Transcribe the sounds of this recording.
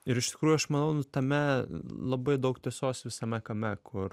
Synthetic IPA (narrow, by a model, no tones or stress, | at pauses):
ɪɾɪʃt̪ʲɪ̥kɾuːjʊɐʃmɐnɐʊnʊt̪ɐmʲɛlˠɐbɐɪd̪ɐʊkt̪ʲiɛsoːsʋʲɪsɐmʲɛkɐmʲɛkʰʊr